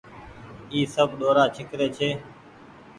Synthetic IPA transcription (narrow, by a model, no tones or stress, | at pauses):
iːsəbɗoːɾaːt͡ʃʰɪkɾeːt͡ʃʰeː